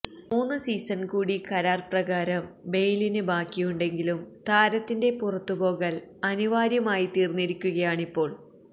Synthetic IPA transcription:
muːnːɨsiːsɐnkuːɽikɐɾaːrprɐɣaːɾɐmbe̞jlinɨbaːkːijuɳɖe̞ŋɡilumt̪aːɾɐt̪ːinde̞purɐt̪ːubo̞ːɣɐlɐniʋaːɾjɐmaːjit̪iːrnːiɾikʲːuɣɐjaːɳipːo̞ːɭ

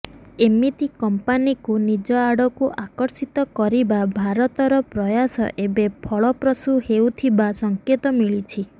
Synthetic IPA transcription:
emit̪ikɔmpanikunid͡ʒɔaɽɔkuʔakɔɾsit̪ɔkɔɾibabʱaɾɔt̪ɔɾɔpɾɔjasɔ̰ʔebepʰɔɭɔpɾɔsuhewt̪ʰibasɔŋket̪ɔmiɭit͡ʃʰi

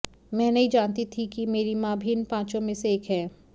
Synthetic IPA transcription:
mɛ̃ːnɐɦĩd͡ʒaːnt̪it̪ʰikimeːɾimãːbʱinpãːt͡ʃõmẽseeːkɦɛː

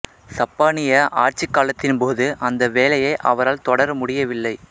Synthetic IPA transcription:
sɐpːaːnɪjɐʔaːɾt͡ʃɪkːaːlɐt̪ːɪnpoːðɯʔɐnd̪ɐʋeːlɐjɐɪʔɐ̰ʋɐɾaːlt̪ɔɽɐɾmʊɽɪjɐʋɪlːɐɪ

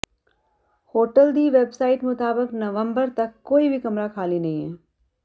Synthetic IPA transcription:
hoːʈəld̪iːʋeːbsaːɪʈmʊt̪aːbəknɐʋə̃mbəɾt̪ɐkːoːibʱikɐmɾakʰaːlinɐɦĩeː

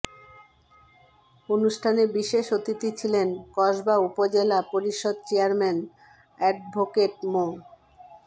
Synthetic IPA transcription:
onuʃʈʰanebiʃeʃot̪it̪it͡ɕʰilenkɔʃbaupod͡ʑelapoɾiʃod̪̚t͡ɕeaɾmɛn | ɛɖ̚bʱokeʈ̚mo

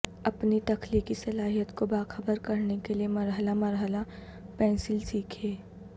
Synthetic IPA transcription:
ɐpnit̪ɐkliːkisɐlaːɦijət̪kobaːxəbəɾkɐɾnekeliemɐɾɦəlamɐɾɦəla | pɛ̃ːnsɪlsiːkʰeː

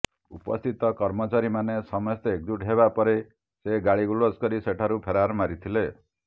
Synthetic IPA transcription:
upɔ̰st̪ʰit̪ɔkɔɾmɔt͡ʃaɾimanesɔmɔst̪ɔek̚d̪uʈɦeβapɔɾe | seɡaɭiɡuɭoskɔɾiseʈʰaɾupʰeɾaɾmaɾit̪ʰile

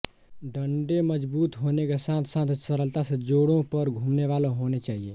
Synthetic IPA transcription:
ɖəɳɖeməd͡ʒbuːt̪ɦonekesãt̪ʰsãt̪ʰsəɾəlt̪asẽd͡ʒoɽõpəɾɡʱumneβaloɦonet͡ʃaːɦije

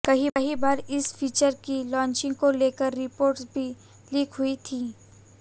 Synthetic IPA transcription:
kɐɦiɦibaːɾɪsfʰiːt͡ʃəɾkilɔ̃ːɲt͡ʃɪ̃ŋɡkoleːkəɾːɪpoːɾʈsbʱi | lɪːkʰɦʊit̪ʰiː

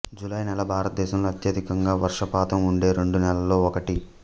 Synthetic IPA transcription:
d͡ʒulɐjnɛlɐbʱaːɾɐt̪ɐd̪ɛːʃɐmloːɐt̪jɐd̪ʱikɐŋɡaːʋɐɾʂɐpaːt̪ɐmuɳɖe̞ːɾe̞ɳɖunɛlɐlo̞ːɔkɐʈi

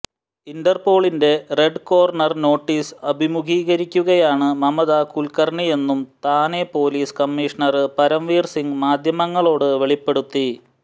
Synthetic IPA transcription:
inɖɐrpo̞ːɭinde̞re̞ɖko̞ːrɳɐrno̞ːʈːiːsɐbʱimuɡiːɣɐɾikʲːuɣɐjaːɳɨmɐmɐðaːkulkɐrɳije̞nːumt̪aːne̞po̞ːliːskɐmːiːʂɐɳɐrɨpɐɾɐmʋiːrsiŋɡmaːd̪ʱjɐmɐŋːɐɭo̞ːɽɨʋe̞ɭipːe̞ɽut̪ːi

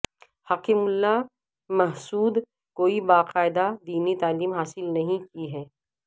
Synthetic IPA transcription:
haːkimʊlːa | mɐɦsuːd̪ | koːibaːqaːɪd̪ad̪iːnit̪aːliːmɦaːsɪlnɐɦĩkiɦɛː

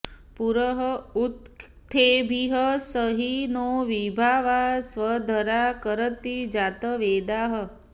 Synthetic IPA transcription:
puɾəɦəut̪ʰː | ebʱiɦəsəɦinoʋibʱaʋasʋəd̪ʱəɾakəɾət̪id͡ʒat̪əʋed̪aɦə

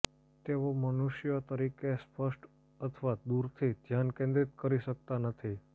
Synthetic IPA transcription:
t̪eʋomənuʃjot̪əɾikespəʃʈ | ət̪ʰʋad̪uɾt̪ʰid͡ʒ̪ʱjankẽnd̪ɾit̪̚kəɾiʃək̚t̪anət̪ʰi

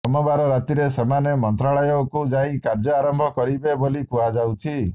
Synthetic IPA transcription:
ɔmɔbaɾɔɾat̪iɾesemanemɔnt̪ɾaɭɔjɔkud͡ʒaĩkaɾd͡ʒɔaɾɔmbʱɔkɔɾibebolikuad͡ʒawt͡ʃʰi

